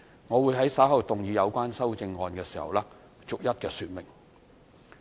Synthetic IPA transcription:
ŋɔː˨˧wuː˨˧jɦɐ˨˥jsaː˨˥wɦɐ˨˩wt̪ʊ˨ŋjiː˨˧jɐ˨˧wkʷaː˥nsɐ˥wt͡sɪ˧ŋːɔː˨nkɛː˧si̥ː˨˩hɐ̰˨˩wlɛː˥ | t͡sʊ˨k̚jɐ˥t̚kɛː˧syː˧t̚mɪ˨˩ŋ

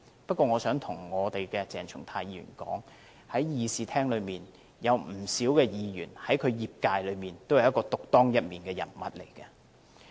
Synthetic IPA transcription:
pɐ˥t̚kʷːɔː˧ŋɔː˨˧sœː˨˥ŋt̪ʰʊ˨˩ŋŋɔː˨˧t̪e˨jkɛ˧t͡sɛː˨˩ŋt͡ʃʰʊ˨˩ŋt̪ʰaː˧jiː˧jy̰ː˨˩nkɔ̰ː˨˥ŋ | hɐ˨˥jjiː˨˧siː˨˧t̪ʰɛː˥ŋlɵ˨˧ɥmiː˨˩n | jɐ˨˧wm̩˨˩siː˨˥wkɛː˧jiː˨˧jy̰ː˨˩nhɐ˨˥jkʰɵ˨˧ɥjiː˨p̚kaː˧jlɵ˨˧ɥmiː˨nt̪o˥whɐ˨˩jɐ˥tkɔː˧t̪ʊ˨k̚t̪ɔː˥ŋjɐ˥t̚miː˨nkɛː˧jɐ̰˨˩nmɐ̰˨t̚le˨˩jkɛ˧

